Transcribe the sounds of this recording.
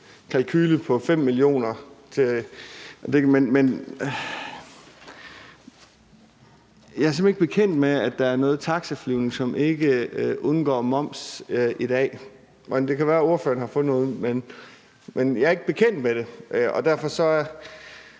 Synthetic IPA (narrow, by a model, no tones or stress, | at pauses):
kʰælkʰyːləpʰɒ̽fem̰ːilio̝̰ːnɐt͡sʰe | d̥e̝menmen | jɑ̈æɐsɒ̽me̝ɡ̥əb̥e̝kʰen̰d̥meæ̥ɑ̈æɐnɔ̽ːð̞̩ˠt͡sʰɑ̈ɡ̥səfliʊne̝ŋsɒ̽mʔe̝ɡ̥əʔɔðˠnɡ̥ɒ̰ːmɒ̽m̰sʔid̥ɛ̰ː | ɒnd̥e̝kʰæʋæːɐo̝ɐfø̰ːɐnhɑ̈fɔ̽ð̩ˠnɔ̽ːð̩ˠmen | menjɑæɐe̝ɡ̥əb̥e̝kʰen̰d̥meɾ̥e̝ʔɒ̽d̥æɐ̰fɒ̽sɒ̽æɐ